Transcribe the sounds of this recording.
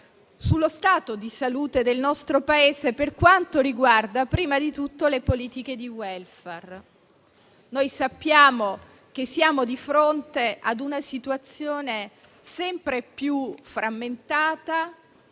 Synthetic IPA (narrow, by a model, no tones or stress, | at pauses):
sulːost̪aːt̪od̪isaluːt̪ed̪elnɔst̪ɾopaeːzeperkwant̪oɾiɡward̪apɾiːmad̪it̪ut̪ːolepoliːt̪iked̪iwɛlfɛr | nojsapːjaːmo | k̟esːijaːmod̪ifɾont̪eʔad̪unasit̪uat̪sːjoːne | sɛmpɾepjufɾʔamːent̪aːt̪a